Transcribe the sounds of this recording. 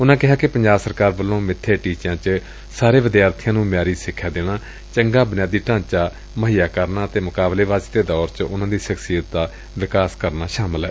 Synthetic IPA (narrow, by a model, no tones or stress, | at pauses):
ʊnãːkɪɦaːkɪpəɲd͡ʒaːbsəɾkaːɾbəlːõːmɪt̪ʰːeːʈiːt͡ʃãːt͡ʃ | saːɾeːʋɪd̪ɪjaːɾt̪ʰɪjãːnũːmɪjaːɾiːsɪkʰːjaːd̪eːɽ̃aː | t͡ʃəŋɡaːbənjaːd̪iːʈãːɲt͡ʃaː | məɦiːjaːkəɾnaːət̪eːmʊkaːbleːʋaːzd̪eːd̪ɔːɾt͡ʃʊnãːd̪iːʃəksijət̪̚d̪aː | ʋɪkaːskəɾnaːʃaːməlɦɛː